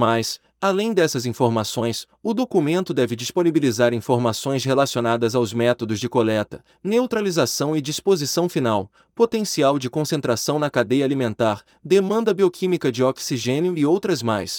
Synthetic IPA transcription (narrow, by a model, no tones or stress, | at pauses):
majs | alẽj̃d̪ɛsɐzĩfoɾmasõj̃s | ʊd̪okumẽnt̪ʊd̪ɛvɪd͡ʒisponibilizaɾĩfoɾmasõj̃shelasionad̪ɐzawzmɛt̪od̪ʊzd͡ʒɪkolɛt̪ɐ̥ | newt̪ɾalizasɐ̃w̃ɪd͡ʒispozisɐ̃w̃finaw | pot̪ẽsiawd͡ʒɪkõsẽnt̪ɾasɐ̃w̃nɐkad̪ejɐaːlimẽnt̪aɾ | d̪emɐ̃nd̪ɐbiokʰĩmikɐd͡ʒɪɔksiʒẽnjʊɪowt̪ɾɐzmajs